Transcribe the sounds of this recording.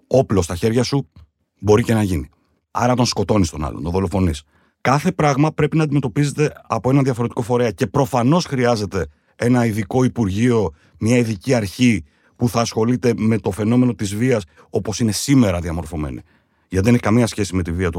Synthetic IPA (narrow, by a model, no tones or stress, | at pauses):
o̞plo̞st̪ɐçe̞ɾʝɐsu | bo̞ɾice̞nɐʝini | ɐ̰ɾɐt̪o̞nsko̞t̪o̞nist̪o̞nɐ̰lont̪oðo̞lo̞fo̞nis | kɐθe̞pɾɐɣmɐpɾe̞pinɐːd̪ime̞t̪o̞pize̞t̪e̞ɐpo̞e̞nɐnðjɐfo̞ɾe̞t̪i̥ko̞fo̞ɾe̞ɐce̞pɾo̞fɐno̞sxɾiɐze̞t̪e̞ | e̞nɐiðiko̞ipuɾʝio̞ | mɲɐiðiciɐɾçi | puθɐːsxo̞lit̪e̞me̞t̪o̞fe̞no̞me̞no̞t̪izviɐs | o̞po̞sine̞sime̞ɾɐðiɐmo̞ɾfo̞me̞̰nḭ | ʝɐt̪iðeneçi̥kɐmiɐsçe̞sime̞t̪iviɐt̪u